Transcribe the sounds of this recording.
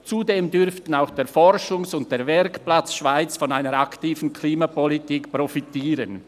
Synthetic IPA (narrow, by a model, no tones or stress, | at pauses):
t͡sudeːmdʏɾftən̩aʊxd̥eːɐfɔɾʃʊŋsʊnt̚d̥eːɐvɛɾkplat͡sʃv̥aɪt͡sfɔnaɪnəɾaktiːvən̩kʰliːmapɔlitiːkprɔfitiːɾən